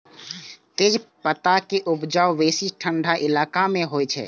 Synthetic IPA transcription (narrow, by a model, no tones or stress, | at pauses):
t̪eːd͡ʒpət̪akeʔʊpd͡ʒawʋeːsiʈʰəɳɖʱaʔɪlaːkamẽɦojt͡ʃʰɛ̰